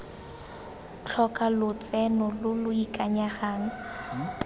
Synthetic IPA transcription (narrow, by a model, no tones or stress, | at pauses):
t͡ɬʰɔkʼalʊt͡sʼɛnɔlʊlʊikʼaɲaɣaːŋ̩